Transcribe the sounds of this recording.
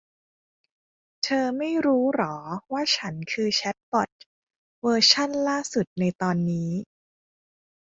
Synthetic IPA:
t̪ʰɤː˧ma˥˩jɾuː˦˥ɾɔː˩˦waː˥˩t͡ɕʰa˦˥nkʰɯː˧t͡ɕʰɛ˦˥t̪̚pɔ˨˩t̪̚ | wɤː˧t͡ɕʰa˥˩nlaː˥˩su˨˩t̪̚na˧jt̪ɔː˧nːiː˦˥

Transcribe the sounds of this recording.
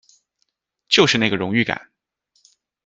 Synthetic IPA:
t͡ɕjo˥˧ʊʂɻ̩˥˧na˥˩ɡə˩ɻʊ˧˥ŋy˥˩ka̰˨˩˦n

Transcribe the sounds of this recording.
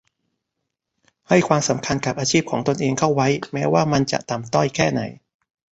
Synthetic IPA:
ha˥˩jkʰwaː˧msa˩˦mkʰa˧nka˨˩p̚ʔaː˧t͡ɕʰiː˥˩p̚kʰɔː˩˦ŋt̪o˧nʔeː˧ŋkʰa˥˩wwa˦˥jmɛː˦˥waː˥˩ma˧nt͡ɕa̰˨˩ʔt̪a˨˩mt̪ɔ˥˩jkʰɛː˥˩na˩˦j

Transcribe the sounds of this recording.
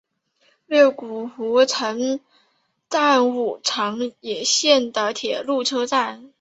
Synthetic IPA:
ɥɛ˥˩ku˨˩xu˧˥ʈ͡ʂʰɤ˧˥ŋ | t̪a˥˧nu˨˩ʈ͡ʂʰɑ˧˥ŋjɛ˨˩ɕjɛ˥˩nd̪ə˩t̪ʰjɛ˨˩lu˥˩ʈ͡ʂʰɤ˥t͡sa˥˩n

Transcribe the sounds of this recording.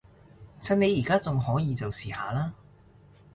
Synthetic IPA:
t͡sʰɐ˧˥ne˨˧jiː˨˩kaː˥t͡sʊ˨ŋhɔː˨˥jiː˧t͡sɐ˨wsiː˨˩ha̰ː˨laː˥

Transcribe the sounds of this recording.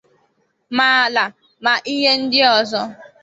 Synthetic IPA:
ma˦˨la˨ | ma˨ʔi˦ɦe˦n̩˦dɪ˦ɔ˨zɔ˦

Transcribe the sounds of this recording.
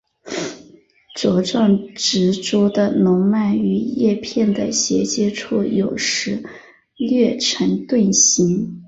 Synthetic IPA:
ʈ͡ʂwɔ˧˥ʈ͡ʂwɑ˥˩ŋʈ͡ʂɻ̩˧˥ʈ͡ʂu˥d̪ə˨nʊ˧˥ŋma˥˩ny˧˥jɛ˥˧pʰjɛ˥˩nd̪ə̰˩ɕjɛ˧˥t͡ɕjɛ˥ʈ͡ʂʰu˥˩jo˨˩ʊʂɻ̩˧˥ | ljɛ˥˩ʈ͡ʂʰə˧˥ŋt̪we˥˩ɪɕi˧˥n

